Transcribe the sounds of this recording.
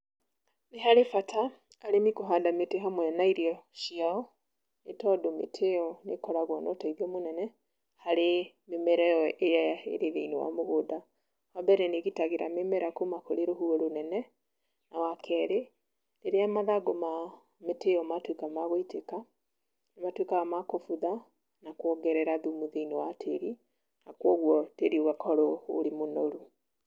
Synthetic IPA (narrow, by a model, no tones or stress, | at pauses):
neɦaɾefatʰaː | ɾemikoɦaːndameteɦamwɛnaiɾiɔʃiaɔ | netɔdomḛtʰeɔnekɔɾaɣwɔnɔtaiðiɔmonɛnɛ | haɾe | memɛɾɛɔʔejaaḛɾeðeinewa̰moɣoːda | hambɛɾɛneɣitaɣeɾa̰memɛɾakomakoɾeɾoɦuɛɾonɛnɛ | nawakʰɛːɾe | neɾeamaðaɡoma | meteɔmatwekamaɣoiteka | nematwekaɣamakofuða | nakwɔɡɛɾɛɾaðumuðeinowatʰeɾi | nakwɔɣwɔteɾioɣakʰɔɾoo̰ɾimonoɾu